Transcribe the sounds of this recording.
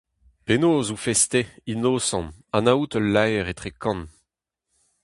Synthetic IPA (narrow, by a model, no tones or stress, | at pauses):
penoːzufɛst̪einosɑ̃nanaut̪ɔlːajʁet̪χekɑ̃n